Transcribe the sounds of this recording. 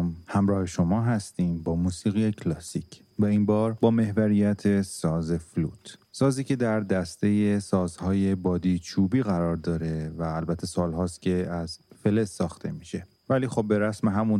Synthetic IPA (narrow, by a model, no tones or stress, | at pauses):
mhæmɾɒːhe̞ʃo̞mɒːɦæst̪iːmbɒːmuːsiːɣijecʰlɒːsicʰ | væinbɒːɾbɒːme̞hvæɾijæt̪ʰe̞sɒːze̞flṵːt̪ʰsɒːziːcʰe̞d̪æɾd̪æst̪e̞jesɒːzhɒːje̞bɒːd̪iːt͡ʃʰuːbiːɣæɾɒːɾd̪ɒːɾe̞væːlbæt̪ʰːesɒːlɦɒːst̪kcʰe̞æz̥fe̞le̞sːɒːxt̪ʰe̞miːʃe̞ | væliːxo̞b̚be̞ɾæsmeɦæmun